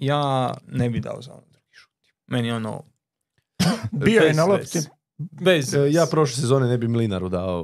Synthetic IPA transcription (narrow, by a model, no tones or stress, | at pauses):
jaːnebid̪a̰o̰zao̰nod̪ɾuɡi̥ʃu̥t̪i̥ | meniono̰ | ijojenalopt̪i | bezjaːpɾoʃles̬ezonenebimilinaɾud̪aːo